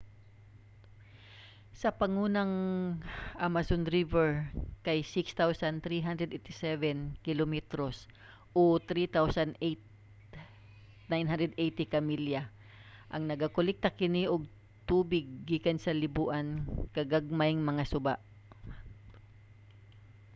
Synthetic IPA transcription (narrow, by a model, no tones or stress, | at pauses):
sɐpɐŋuːnɐŋ | ʔamɐsonɾivɛɹkajsɪkst̪awsɐnt̪ɾiɦand̪ɾɛd̪ejt̪ɪsɛvɛnkɪlomɛt̪ɾos | ʔot̪ɾit̪awsɐnet̪ | najnɦand̪ɾɛd̪ʔejt̪ɪkɐmilja | ʔɐŋnɐɡakʊlɛk̚t̪akɪniʔoɡ̚ | t̪uːbɪɡ̚ːiːkɐnsɐlɪbuʔɐnkɐɡɐɡ̚majŋmɐŋasʊba̰ʔ